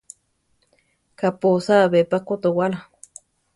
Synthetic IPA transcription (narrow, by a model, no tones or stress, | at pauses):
kaposaβepakot̪owala